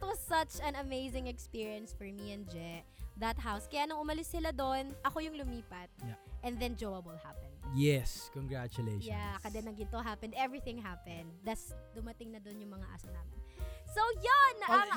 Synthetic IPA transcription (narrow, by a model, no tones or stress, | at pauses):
ɪt̪wɐzsɐt͡ʃɐ̃nɐmejzɪ̃ŋɛkspiɹiɐ̃nsfɔɹmiɛ̃nd͡ʒɛʔðɐt̪̚ɦawskɐjanɐŋʔʊmɐlɪsːɪlad̪onʔɐko̞jʊŋlʊmiːpɐt̪̚ʔɛ̃nd̪ɛnd͡ʒowɐwɪlhapɛ̃njɛskɔŋɡɹat͡ʃʊleʃjakɐd̪ɛnːɐŋɡɪt̪oɦapɛnd̪ɛvɹiθɪ̃ŋɦapɛ̃nd̪̚ːɐsd̪ʊmɐt̪ɪŋnɐd̪onjʊŋmɐŋa̰ʔa̰sɐna̰ːmɪnsowjonːɐɐŋ